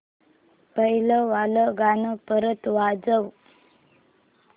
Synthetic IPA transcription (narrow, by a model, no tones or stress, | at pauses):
pəɦiləʋaləɡanəpəɾət̪ʋad͡zəʋ